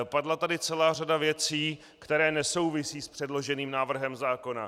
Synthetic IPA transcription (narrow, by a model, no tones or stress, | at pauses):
padlat̪adɪt͡sɛlaːr̝adavjɛt͡siː | kt̪ɛɾɛːnɛso̞wvɪsiːspr̝̥ɛdlo̞ʒɛniːmnaːvr̩ɦɛmzaːko̞na̰